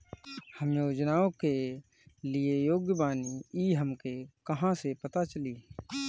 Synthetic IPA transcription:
həmjoːd͡ʒnaːõke | liejoːɡjəbaːniiɦəmkekəɦãsepət̪at͡ʃəli

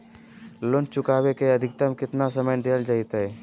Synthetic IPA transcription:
lʊnt͡ʃʊkaːwekeɐd̪ʱɪk̚t̪əmkɪt̪nasəməjd̪eːld͡ʒait̪ɦɛː

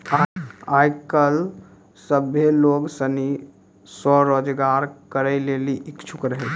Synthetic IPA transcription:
aajkəl | səbʱeloɡsəni | sɔɾod͡ʒɡaɾkəɾəɪleliʔikt͡ʃʰukɾəɦɛ

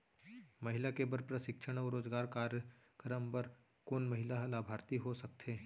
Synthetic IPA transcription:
mɐɦɪlakebəɾpɾɐʃɪkʃʰəɽ̃ɔːɾoːd͡ʒɡaːɾkaːɾjə | kɾəmpəɾ | konmɐɦɪlaɦlaːbʱaːɾt̪iɦosɐk̚t̪ʰeː

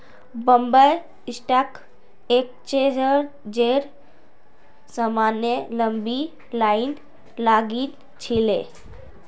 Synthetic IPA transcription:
bəmbəj | isʈak | ek̚t͡ʃed͡ʒəɾ | d͡ʒeɾ | səmanjeləmbi | lain | laɡit̪ | t͡ʃʰile

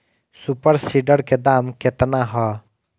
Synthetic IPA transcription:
supəɾsiɖəɾked̪aːmkɪt̪naɦɔ

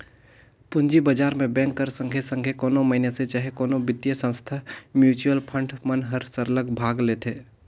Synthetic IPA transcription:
pʊɲd͡ʒibəd͡ʒaːɾmẽbɛ̃ːŋkːəɾsə̃ŋɡʱesə̃ŋɡʱekoːnõməɦɪneset͡ʃaɦekoːnõbɪt̪jəsə̃nst̪ʰamjuːt͡ʃuəlpʰə̃ɳɖmənɦəɾsəɾləɡbʱaːɡleːt̪ʰeː

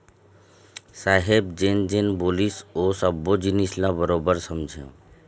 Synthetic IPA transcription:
saːɦeb̚d͡ʒend͡ʒenbolisosəbːod͡ʒinislabəɾobəɾsəmd͡ʒʱẽ

